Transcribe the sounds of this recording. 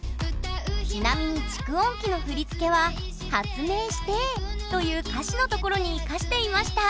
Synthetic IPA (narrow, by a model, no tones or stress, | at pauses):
t͡ɕinamʲiɲ̟it͡ɕi̥kɯ̟õ̞ŋkʲino̞ɸɯ̟ɾʲit͡sɨ̥ke̞βa | hat͡sɨme̞ːɕi̥t̪e̞t̪o̞jɯ̟ːkaɕino̞t̪o̞ko̞ɾo̞ɲ̟ikaɕi̥t̪e̞imaɕi̥t̪a